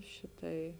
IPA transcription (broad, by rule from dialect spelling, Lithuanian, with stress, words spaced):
ˈʃʲɪˌtɐɪ